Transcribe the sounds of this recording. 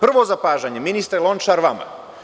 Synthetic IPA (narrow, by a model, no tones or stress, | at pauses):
pr̩ʋo̞zapaːʒaɲeminist̪ɾelˠo̞nt͡ʃaɾʋama̰